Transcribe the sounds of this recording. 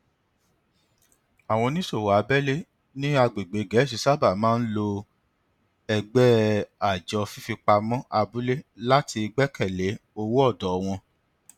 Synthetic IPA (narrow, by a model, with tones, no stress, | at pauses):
a˨w̃ɔ̃˧nĩ˦so˦˨wa˨˦bɛ˦le˦ | nĩ˦a˧ɡ͡be˨ɡ͡be˨ɡɛ˨˦˨ʃ̬i˧sa˦ba˦˨mãː˦n̩˦lo˧ | ɛ˧ɡ͡bɛ˦a˨d͡ʒɔ˧fi˦fi˧k͡pa˧mɔ̃˦ʔa˧bu˦le˦la˦tʰi˧i˧ɡ͡bɛ˦kɛ˦˨le˨˦o˦wo˦ɔ˦˨dɔ˨˦w̃ɔ̃˧